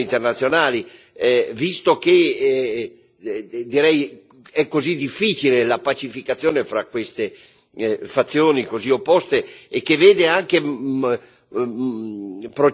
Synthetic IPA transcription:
int̪ernat̪sːjonaːli | vist̪ok̟e | d̪iɾɛj | ɛkːozid̪ifːiːt͡ʃilelapat͡ʃifikat̪sːjoːnefɾakːwest̪e | fat̪sːjoːnikoziopːɔst̪eːkːeveːd̪eaŋke | pɾo

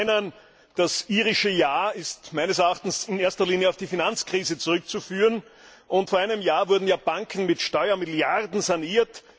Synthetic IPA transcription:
nən | d̥asʔiːʁɪʃəjaːɪstmæɪnəsɛɐaχtn̩sɪneɐstɐliːnjəɑʊfd̥iːfinant͡skʁ̥iːzət͡sʊʁʏkt͡sufyːʁən | ʔʊntfoɐʔæɪnəmjaːvʊɐdn̩jaːbaŋkʰn̩mɪtʃtɔʏɐmɪljaʁdn̩zaniːɐt

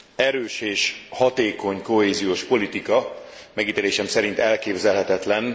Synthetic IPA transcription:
ɛɾøːʃeːʃhɒt̪eːko̞ɲko̞ɦeːzijoːʃpo̞lit̪ikɒmɛɡit̪eːleːʃɛmsɛɾint̪ɛlkeːbzɛlɦɛt̪ɛt̪lɛn

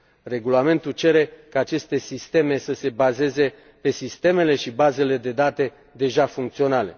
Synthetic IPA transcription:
re̞ɡulame̞nt̪ut͡ʃe̞ɾe̞kaːt͡ʃe̞st̪e̞sist̪e̞me̞səse̞baze̞ze̞ | pe̞sist̪e̞me̞le̞ʃibaze̞le̞d̪e̞d̪at̪e̞ | d̪e̞ʒafuŋkt̪sio̞nale̞

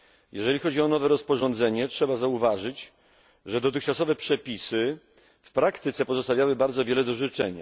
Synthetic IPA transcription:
jɛʐɛlʲixɔd͡ʑiɔnɔvɛɾɔspɔʐɔnd̪zɛɲɛtʂɛbazauvaʐɘt͡ɕ | ʐɛd̪ɔt̪ɘxt͡ʂasɔvɛpʂɛpʲisɘ | fpɾakt̪ɘt̪sɛpɔzɔst̪avʲjawɘbaɾd̪zɔvʲjɛlɛd̪ɔʐɘt͡ʂɛɲa̰

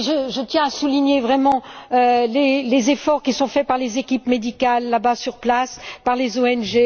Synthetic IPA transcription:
ʒəʒət̪jɛ̃asuliɲevʁɛmɑ̃ølelezefɔʁkʲisɔ̃fɛpaʁlezekʲipmed̪ikalːabasyʁplaspaʁlezoɛnʒe

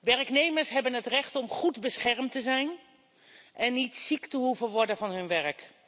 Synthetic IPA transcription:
ʋɛɹknejməɹsɦɛbənɦətrɛχtɔmχudbəsχɛɹmtəzɛjn | ʔɛnːitsiktəɦuvəʋɔɹdənvɑnɦɵnʋɛɹk

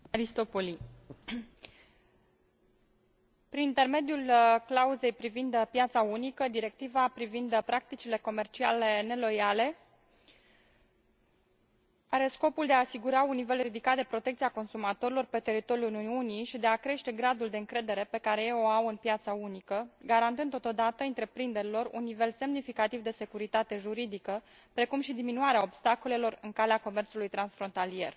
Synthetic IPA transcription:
aɾist̪o̞poli | pɾinint̪e̞rme̞d̪julklauze̞jpɾivind̪pjat̪saunikəd̪iɾe̞k̚t̪ivapɾivind̪pɾak̚t̪it͡ʃile̞ko̞me̞rt͡ʃia̰le̞ne̞lo̞jale̞ | aɾe̞sko̞puld̪eaːsiɡuɾaunːive̞lɾid̪ikat̪̚d̪e̞pɾo̞t̪ekt̪siako̞nsumat̪o̞ɾilo̞rpe̞t̪e̞ɾit̪o̞ɾiunuuniʃid̪e̞akɾe̞ʃt̪e̞ɡɾad̪uld̪e̞ɨŋkɾe̞d̪e̞ɾe̞pe̞kaɾe̞jeo̞awɨnpjat̪saunikəɡaɾant̪ɨnd̪ot̪o̞d̪at̪əɨnt̪ɾe̞pɾind̪e̞ɾilo̞rṵnːive̞lse̞mnifikat̪ivd̪e̞se̞kuɾit̪at̪e̞ʒuɾid̪ikə | pɾe̞kumʃid̪iminuaɾeao̞bst̪ako̞le̞lo̞rɨŋkaleako̞me̞rtsulujt̪ɾansfɾo̞nt̪alije̞r

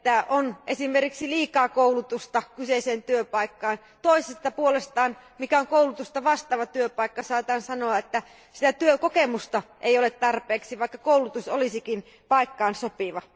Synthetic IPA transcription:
æʔonʔesimerkiksiliːkɑːkoulut̪ust̪ɑkyseiseːnt̪yøpɑikːɑːn | t̪oisest̪ɑpuolest̪ɑːn | mikæoŋkoulut̪ust̪ɑʋɑst̪ɑːʋɑt̪yøpɑˑikːɑsɑːt̪ɑːnsɑnoɑet̪ːæ | sit̪æt̪yøkokemust̪ɑʔeijolet̪t̪ɑrpeːksiʋɑˑikːɑkoulut̪uso̰lisikin | pɑikːɑːnsopiʋɑ

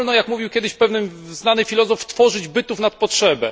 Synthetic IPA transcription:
lnɔjakmuvʲiwkʲjɛd̪ɘɕfpɛvnɘmznanɘfʲilɔzɔft̪fɔʐɘd͡ʑbɘt̪ufnat̪̚pɔtʂɛbɛ

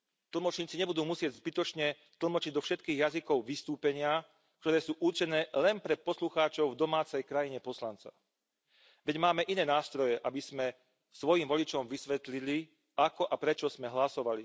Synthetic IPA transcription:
t̪l̩mɔt͡ʃɲiːt͡siɲɛbud̪uːmusɪɛɟzbit̪ɔt͡ʃɲɛ | t̪l̩mɔt͡ʃiɟd̪ɔfʃɛt̪kiːɣjazikɔʊʋist̪uːpɛɲɪa | k̚t̪ɔɾɛːsuːʔuɾt͡ʃɛnɛːlɛnpɾɛpɔsluxaːt͡ʃɔʊvd̪ɔmaːt͡sɛjkɾajiɲɛpɔslant͡sa̰ | ʋɛɟmaːmɛʔinɛːnaːst̪ɾɔjɛʔabiz̥mɛ | sʋɔjimʋɔlit͡ʃɔmʋisʋɛt̪lili | akɔʔapɾɛt͡ʃɔz̥mɛɦlasɔʋali

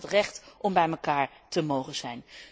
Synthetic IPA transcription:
trɛχtʔɔmbɛjməkaːɹtəmowχəz̥ɛjn

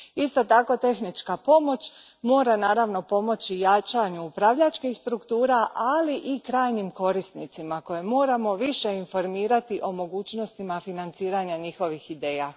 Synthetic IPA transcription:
ist̪o̞t̪ako̞t̪e̞xnit͡ʃkapo̞mo̞t͡ɕ | mo̞ːɾanaːɾaʋno̞po̞mo̞t͡ɕijat͡ʃaɲuupɾaʋʎat͡ʃkixst̪ɾukt̪uːɾaʔaliʔikɾaːjnimko̞ɾist̪nit̪simako̞jemo̞ːɾamo̞ʋiʃe̞info̞ɾmiːɾat̪iʔo̞mo̞ɡuːt͡ɕno̞st̪imafinant̪siːɾaɲaɲixo̞ʋixid̪e̞ːja

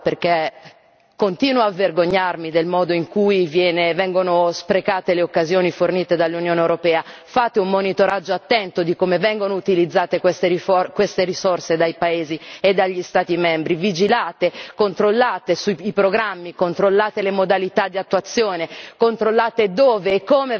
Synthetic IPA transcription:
perke | kont̪iːnwoavːerɡoɲːarmid̪elmɔːd̪oiŋkujvjɛːnevɛŋɡonospɾekaːt̪eleokːazjoːniforniːt̪ed̪alːunjoːnewɾopɛːa | faːt̪eummːonit̪oɾad͡ʒːoat̪ːɛnt̪od̪ikomevɛŋɡonout̪ilid̪zːaːt̪ekwest̪eɾifokwest̪eɾisorsed̪ajpaeːzied̪ːaʎːist̪aːt̪imɛmbɾivid͡ʒilaːt̪ekont̪ɾolːaːt̪esuipɾoɡɾamːikont̪ɾolːaːt̪elemod̪alit̪ad̪iat̪ːuat̪sːjoːnekont̪ɾolːaːt̪ed̪oːveːkːome

